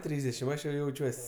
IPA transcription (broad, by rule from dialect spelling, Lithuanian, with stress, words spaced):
ˈtʲrʲiːzʲdʲɛʃʲɪm ˈɐʃ jɛʊ jɛʊˈt͡ʃʲuɔsʲ